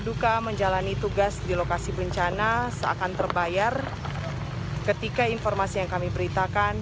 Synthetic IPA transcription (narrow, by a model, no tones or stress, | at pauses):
dukaməɲd͡ʒalanit̪uɡasdilokasibəɲt͡ʃanasəa̰kant̪ərbajar | kət̪ikainfɔrmasijaŋkamibəɾit̪akan